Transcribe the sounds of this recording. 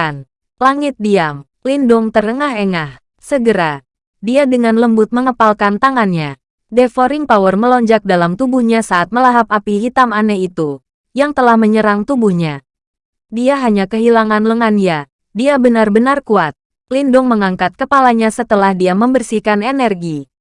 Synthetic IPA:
n | laŋɪt̪̚diam | lindʊŋt̪ərəŋaɦeŋah | səɡəɾa | diadəŋanləmbʊt̪̚məŋəpalkant̪aŋanɲa | dɛfoɾɪŋpawərməlɔɲd͡ʒak̚dalamt̪ubuhɲasaʔːt̪̚məlaɦapapiɦit̪amanɛit̪u | jaŋt̪əlahməɲəɾaŋt̪ubuhɲa | diaɦaɲakəɦilaŋanləŋania | diabənarbənarkuat̪̚ | lindʊŋməŋaŋkat̪̚kəpalaɲasət̪əlahdiaməmbərsikanenɛrɡi

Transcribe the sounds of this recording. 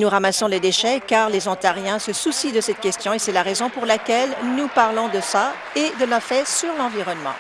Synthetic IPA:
nuʁamasɔ̃led̪eʃɛkaʁlezɔ̃t̪aʁjɛ̃səsusid̪əsɛt̪̚kʲɛst̪jɔ̃esɛlaʁezɔ̃puʁlakʲɛlnupaʁlɔ̃d̪əsa | ed̪əlafɛsyʁlɑ̃viʁɔnmɑ̰̃

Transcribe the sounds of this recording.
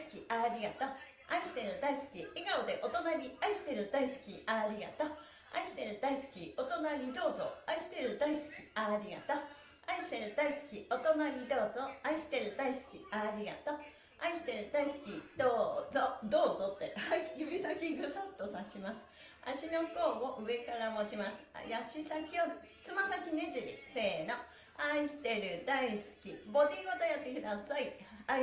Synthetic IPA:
sɨ̥kʲiaɾʲiɡat̪o | aiɕi̥t̪e̞ɾɯ̟d̪aisɨ̥kʲiiɡaod̪e̞ʔo̞t̪o̞naɲʲiaiɕi̥t̪e̞ɾɯ̟d̪aisɨ̥kʲiaɾʲiɡa̰t̪a | a̰iɕi̥t̪e̞ɾɯ̟d̪aisɨ̥kʲio̞t̪o̞naɲ̟id̪o̞ːzo̞̰aiɕi̥t̪e̞ɾɯ̟d̪aisɨ̥kʲi̥aɾʲiɡa̰t̪a | aiɕi̥t̪e̞ɾɯ̟d̪aisɨ̥kʲio̞t̪o̞naɲ̟id̪o̞ːzo̞aiɕi̥t̪e̞ɾɯ̟d̪aisɨ̥kʲiaɾʲiɡa̰t̪o | aiɕi̥t̪e̞ɾɯ̟d̪aisɨ̥kʲid̪̥oːzod̪o̞ːzo̞t̪ːe̞haijɯbʲisakʲiɡɯsat̪ːo̞saɕimasɨ̥ | a̰ɕino̞ko̞ːmoʔɯ̟e̞kaɾamo̞t͡ɕimasɨ̥̰jaɕisakʲiobɯ | t͡sɨmasakʲine̞ʑiɾʲḭse̞ːno̞ | aiɕi̥t̪e̞ɾɯ̟d̪aisɨ̥kʲibo̞d̪ʲiɡo̞t̪ojat̪ːekɯ̟d̪asaia

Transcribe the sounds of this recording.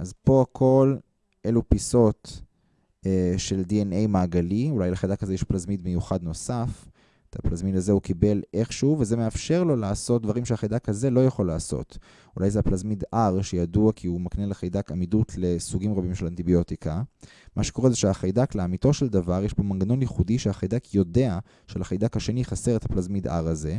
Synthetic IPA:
ʔazpo̞akʰo̞l | ʔelupiso̞t | eʃe̞ldienejmaːɡaliulajleχajdakhazejɛʃplazmidmejuχad̪no̞saf | t̪ʰaplazmidazehukibe̞leχʃuvezemeafʃe̞ʁlo̞laːso̞t̚d̪vaʁimʃeaχajdakhaze̞lo̞jaχo̞laːso̞̰t | ulajzeaplazmid̪ʔaʁʃejaduakʰiumakneleχajd̪akamidutʰle̞suɡimʁabimʃelant̪ibio̞tika | mʔaʃeko̞ʁezeʃeaχajdakleamito̞ʃeld̪avaʁjeʃbomanɡano̞njiχudiʃeaχajdakʰjo̞de̞a | ʃelaχajd̪akhaʃe̞niχase̞ʁet̪haplazmida̰ʁaze̞

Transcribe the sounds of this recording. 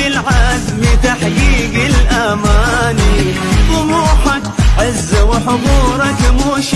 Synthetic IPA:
ɪlʕazmɪt̪aħɡiːɡɪlʔamaːni | wʊmuːħakʕɪzːawɪħʊb̪uːɾˤɑkmuːʃ

